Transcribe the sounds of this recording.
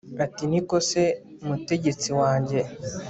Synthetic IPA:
atiniko̞se̞ | umute̞ɟe̞t͡siwaːɲɟe̞

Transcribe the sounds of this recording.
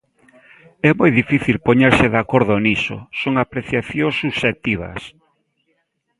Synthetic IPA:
ɛmojðifiθilpoɲeɾsɪðakoɾðʊniso̰soŋapɾeθjaθjosuʃet̪iβ̞ɐ̰s

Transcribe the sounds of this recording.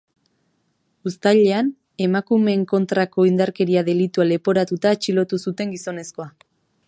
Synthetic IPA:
ust̪aʎe̞an | e̞makume̞ːŋko̞nt̪ɾako̞ind̪aɾke̞ɾiaðe̞lit̪uale̞po̞ɾat̪ut̪at͡ʃilo̞t̪usut̪e̞ŋɡiso̞ne̞sko̞a

